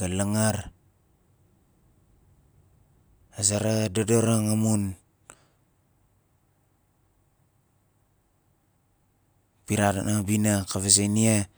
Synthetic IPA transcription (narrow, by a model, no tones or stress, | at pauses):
alaŋaɾ | azaɾadodoɾaŋamun | piɾata̰nabinakaβez̬ajnia